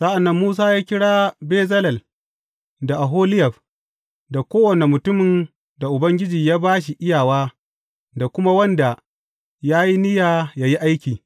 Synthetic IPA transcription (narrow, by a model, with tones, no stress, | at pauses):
sa˦ʔa˨nːɐ˦mːuː˦s̬aː˦jaː˦kʲɪ˦ɽaː˦beː˦zɐ˦lɐ˨l | da˨ʔa˨ɦoː˦lɪ˦jɐ˨ɸ | da˨kʷoː˦wɐ˨ne˨mʊ˨tʊ˦mɪ˨n | da˨ʔʊ˨bɐ˦ŋɡʲɪ˦d͡ʒiː˨jaː˦baː˦ʃ̬i˨ʔɪ˦jaː˨waː˦ | da˨kʷʊ˦ma˦wɐ˦nda˨ | jaː˦ji˦nɪ˦jaː˨jaː˦ji˦ʔa˦jkʲiː˨